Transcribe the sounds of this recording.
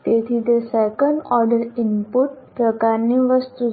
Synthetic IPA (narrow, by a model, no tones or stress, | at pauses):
t̪et̪ʰid̪əsɛkə̃ɳɖɔɾɖəɾimpuʈpɾəkaɾniʋəst̪u